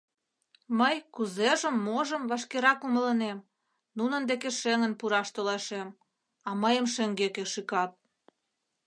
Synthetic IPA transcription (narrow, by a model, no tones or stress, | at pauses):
məjkuzeʒəmːoʒəmβɑʃkeɾɑkumə̆lənem | nunə̆nd̪ekeʃeŋənpuɾɑʃt̪olɑʃem | ɑməjəmʃeŋɡekeʃikɑt̪̚